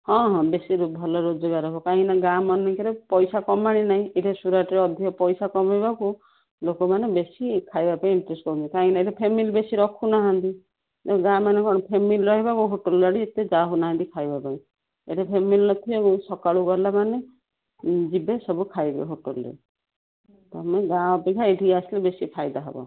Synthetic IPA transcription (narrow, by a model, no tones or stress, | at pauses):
hɔ̃ɦɔ̃besiɾubʱɔlɔɾod͡ʒɔɡaɾɔkɔkaɦĩnaɡamɔnikeɾepɔjsakɔmaɽ̃inaɦĩʔeʈesuɾaʈɾeɔd̪ʱiɔpɔjsakɔmajbaku | lokɔmanebesikʰajbapaĩiɳʈɾesʈkɔɾũt͡ʃ̪ikaɦĩnaeʈepʰemilbesiɾɔkʰunaɦãnt̪i | eɡãmanekɔɽ̃ɔpʰemilɾɔɦibakuɦoʈolːɔɽit̪ed͡ʒaɦunaɦãnt̪ikʰajbapaĩ | eʈepʰemilnɔt̪ʰibakusɔkaɭuɡɔlamane | d͡ʒibesɔbukʰajbḛɦoʈolɾḛ | t̪amɔẽɡãɔpikʰaeʈiaslebesipʰajd̪aɦḛbɔ̰